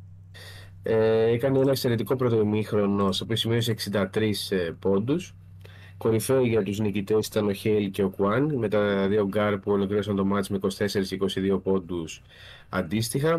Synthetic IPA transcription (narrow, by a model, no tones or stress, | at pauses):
eekɐneenɐekse̞ɾe̞t̪iko̞pɾo̞t̪oimixɾo̞no̞sepisimio̞s̬eeksind̪ɐt̪ɾispo̞nd̪us | ko̞ɾife̞iʝɐt̪uznicit̪e̞si̥t̪ɐno̞çelce̞o̞kuɐnme̞t̪ɐðio̞ɡɐɾpuo̞lo̞kliɾo̞sɐnt̪o̞mɐt̪ezmeiko̞si̥t̪e̞se̞ɾisiko̞siðio̞po̞nd̪us | ɐ̰nd̪ist̪ixɐ